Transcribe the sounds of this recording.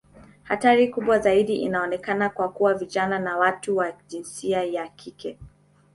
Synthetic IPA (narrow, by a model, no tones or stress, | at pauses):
hataɾikuɓwazaiɗiʔḭnaɔnɛkanakwakuwaviʄananawatuwaʄinsiajakʰikʰɛ